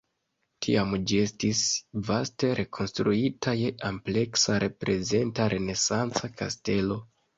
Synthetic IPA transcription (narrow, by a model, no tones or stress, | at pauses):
tʰiamd͡ʒie̞stisvaste̞ɾe̞kʰo̞nstɾuitʰajeʔample̞ksaɾe̞pɾe̞ze̞ntaɾʔe̞ne̞sant͡sakʰa̰ste̞lo̞